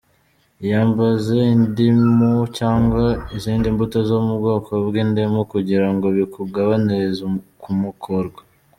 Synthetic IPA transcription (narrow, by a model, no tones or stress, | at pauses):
jaːmbaze̞indimucaːŋɡwaiziːndimbutozomuβɡo̞ːkoβɡiːndimukuɟiɾaŋɡo̞βikuɡaβaniɾezukumukʰoɾɡwa